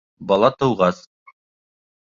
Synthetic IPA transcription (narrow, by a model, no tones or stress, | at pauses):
bɑlˠɑt̪ɤ̆wʁɑs